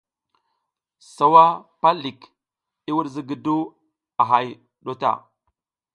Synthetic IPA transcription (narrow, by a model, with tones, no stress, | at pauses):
sa˦wa˦pa˦li˨k | i˦wu˦ɾzi˦ɡi˨du˦ | a˨ɦa˦j | ɗo˦ta̰˨